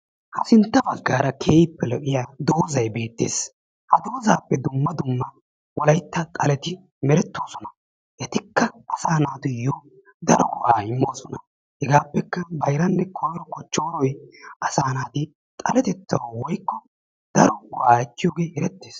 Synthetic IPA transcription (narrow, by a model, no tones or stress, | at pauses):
hɐsɪnt̪ːɐbɐɡːaːɾɐkʰeːjɪpːɛlɔʔɪjaːd̪oːzɐjbe̞ːt̪ːḛːs | hɐd̪oːzaːpːɛd̪ʊmːɐd̪ʊmːɐ | wɔlɐjt̪ːɐt̪ʼɐlɛt̪ɪ | mɛɾɛt̪ːo̞ːsɔnɐ | ʔɛt̪ɪkːɐɐsaːnaːt̪ʊjːo | d̪ɐɾɔwʊʔaːɪmːo̞ːsɔnɐ̰ | hɛɡaːpːɛkːɐbɐjɾɐnːɛkʰɔjɾɔkɔt͡ʃːo̞ːɾɔjʔɐsaːnaːt̪ɪ | t̪ʼɐlɛt̪ɛt͡sːɐwwɔjkːɔ | d̪̥ɐɾɔɡʊʔaːɛt̪ːɪjoːɡeːhɛɾɛt̪ːeːs